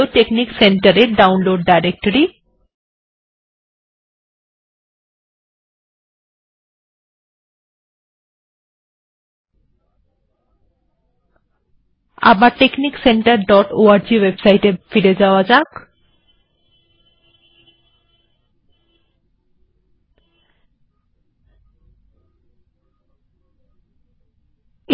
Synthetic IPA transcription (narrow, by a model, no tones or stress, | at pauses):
oʈeknikseɳʈaɾeɾɖawnloɖɖajɾek̚ʈoɾi | a̰baɾʈeknikseɳʈaɾɖɔʈoaɾd͡ʑiwebsajʈefiɾed͡ʑaoad͡ʑak